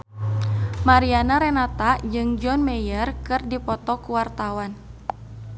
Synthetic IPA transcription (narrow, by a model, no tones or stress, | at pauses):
maɾianaɾɛnat̪ad͡ʒɨŋd͡ʒɔnmɛjərkɨrdipɔt̪ɔkuwart̪awan